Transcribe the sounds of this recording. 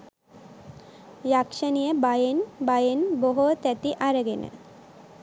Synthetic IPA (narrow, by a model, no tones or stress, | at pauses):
jakʃanijebajenbajenboɦot̪ɛt̪iʔaɾəɡena̰